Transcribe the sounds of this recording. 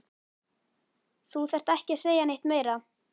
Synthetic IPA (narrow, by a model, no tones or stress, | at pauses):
θuθɛr̥t̪ɛhcɪ̥seːjanejht̪meːjɾa